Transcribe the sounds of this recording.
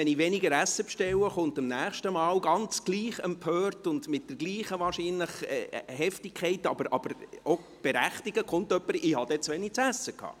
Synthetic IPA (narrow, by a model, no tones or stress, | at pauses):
ɛnɪʋɛnɪɡəɾæsːəpʃtɛwəχʊntɪmnæːχʃtəmɑːwɡɑnt͡sɡ̥liːχɛmpʰøːrtʊndmɪt̚d̥ɛɾɡ̥liːχəʋɑːrʃiːnlɪχɛ̰hɛftɪkʰχɛɪtɑ̰b̥əɾʔɑ̰b̥əɾo | b̥ɛɾæχtiɡ̥əkχʊntœpːəɾɪhɑd̥̪ɛt͡sʋɛnik̚t͡sæsːəkʰhɑ̰ː